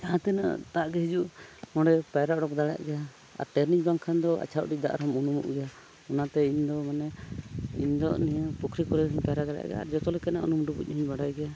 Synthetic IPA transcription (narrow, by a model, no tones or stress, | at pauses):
d͡ʒaãt̪ɛna̰t̪aʔɡɛɦid͡ʒuʔhɔ̃ɖɛpajɾaʔɖɔk̚d̪aɽa̰ʔɡɛja | a̰ɾʈɛɾnid͡ʒbaŋkʰand̪ɔa̰t͡ʃʰaʔɖid̪a̰ʔɾɔmunumṵʔɡɛja | ɔnat̪ɛiɲd̪ɔmanɛḭɲd̪ɔʔnijəpukʰɾikɔɾɛɦiɲpaɾaʔd̪aɽa̰ʔɡɛ̰ja̰a̰ɾd͡ʒɔt̪ɔlɛkanaʔṵnumɖubṵc̚ˀɦiɲbaɽajɡɛja